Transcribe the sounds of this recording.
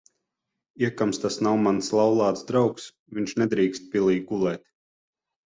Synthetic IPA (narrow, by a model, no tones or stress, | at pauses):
iɛkamst̪asnawmanslˠawlˠɑːt̪sd̪ɾawks | viɲʃnɛd̪ɾiːkst̪̚pʲilˠiːɡulˠɛːt̪ʲ